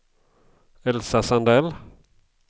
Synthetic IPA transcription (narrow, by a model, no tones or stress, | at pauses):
ɛlsasand̪ɛl